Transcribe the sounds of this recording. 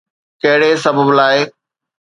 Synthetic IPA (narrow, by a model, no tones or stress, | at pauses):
kɐɦɪɽesɐbəblaːɪ